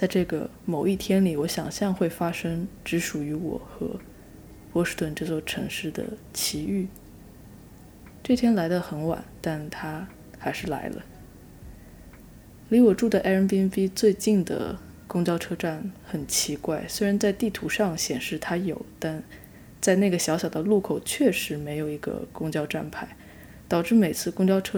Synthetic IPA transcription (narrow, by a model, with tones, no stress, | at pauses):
t͡sa˥˧ɪʈ͡ʂɤ˥˩ɡə̰˩ | mo˨˩ʊi˥˩t̪ʰjɛ˥nli˨˩wɔ˧˥ɕjɑ̰˨˩ŋɕjɑ˥˧ŋxwe˥˩ɪfa˥ʂɤ˥ŋʈ͡ʂɻ̩˧˥ʂu˨˩y˧˥wɔ̰˨˩˦xɤ̰˧˥ | pwɔ˧˥ʂɻ̩˥t̪wə˥˧nʈ͡ʂɤ˥˧t͡swɔ˥˩ʈ͡ʂʰɤ˧˥ŋʂɻ̩˥˩d̪ə̰˩t͡ɕʰi˧˥y˥˩ | ʈ͡ʂɤ˥˩t̪ʰjɛ˥nla˧˥ɪd̪ə˧xə˧˥nwa̰˨˩˦nt̪a˥˩nt̪ʰa˥ | xa˧˥ɪʂɻ̩˥˩la̰˧˥ɪlə̰˧ | li˧˥wɔ˨˩ʈ͡ʂu˥˩d̪ə˩ʔa˥ə˧˥npi˥nfi˥t͡swe˥˧ɪt͡ɕi˥˩nd̪ə̰˩ | kʊ˥ŋt͡ɕjɑ˥ʊʈ͡ʂʰɤ˥ʈ͡ʂa˥˩nxə˨˩nt͡ɕʰi˧˥kwa˥˩ɪswe˥ɪɻa˧˥nt͡sa˥˧ɪt̪i˥˩t̪ʰu˧˥ʂɑ˥˩ŋɕjɛ˨˩nʂɻ̩˥˩t̪ʰa˥jo˨˩ʊt̪a˥˧n | t͡sa˥˧ɪna˥˩ɡə˩ɕjɑ˧˥ʊɕjɑ˨˩ʊd̪ə˦lu˥˩kʰo˨˩ʊt͡ɕʰɥɛ˥˩ʂɻ̩˧˥me˧˥ɪjo˨˩ʊi˧˥ɡə̰˧kʊ˥ŋt͡ɕjɑ˥ʊʈ͡ʂa̰˥˧npʰa˥˩ɪ | t̪ɑ˨˩ʊʈ͡ʂɻ̩˥˩me˨˩ɪt͡sʰɹ̩˥˧kʊ˥ŋt͡ɕjɑ˥ʊʈ͡ʂʰɤ˥